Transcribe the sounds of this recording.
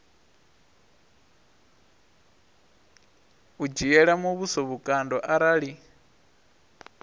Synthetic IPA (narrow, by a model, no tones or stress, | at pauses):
ud͡ʒijɛɺamuβusɔβukʼandɔʔaɾaɺi